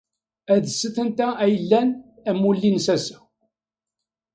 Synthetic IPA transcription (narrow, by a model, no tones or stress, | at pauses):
æðəsːəθənt̪ææjəlːæn | æmulːinsæsæ̥